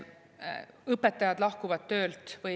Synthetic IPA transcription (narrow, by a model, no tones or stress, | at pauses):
ɤpːɛt̪ːˑɑjɑd̪lɑhkuvɑt̪t̪ːøːlt̪vɯ